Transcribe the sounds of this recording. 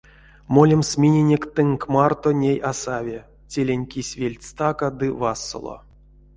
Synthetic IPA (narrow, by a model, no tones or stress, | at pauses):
molʲemsmʲinʲenʲekʲt̪ɨŋkmart̪onʲejasavʲe | tʲelʲenʲkʲisʲvʲelʲtʲst̪akad̪ɨvasːo̰lˠo̰